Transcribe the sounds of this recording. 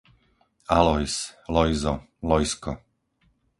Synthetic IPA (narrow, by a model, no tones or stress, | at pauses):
alɔjslɔjzɔ | lɔjskɔ̰